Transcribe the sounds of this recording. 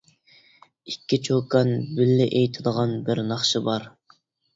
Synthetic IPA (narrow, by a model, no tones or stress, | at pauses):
ikʲːit͡ʃʰokʰɑnbɪlːɪʔejt̪ʰɪd̪əʁɑnbɪɾnɑχʃɨbɑɾ